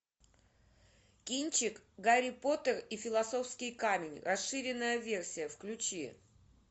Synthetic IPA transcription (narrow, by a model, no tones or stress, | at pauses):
kʲinʲt͡ɕɪkɡaɾʲɪpo̞t̪ərifʲɪlˠɐso̞fskʲɪjkamʲɪnʲrɐsɨɾʲɪnːəjəvʲe̞rsʲɪjəfklʲʉt͡ɕi